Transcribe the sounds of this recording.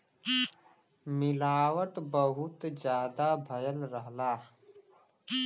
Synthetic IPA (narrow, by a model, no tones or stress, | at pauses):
mɪlaːwəʈbəɦʊt̪d͡ʒjaːd̪abʱəjəlɾəɦlaː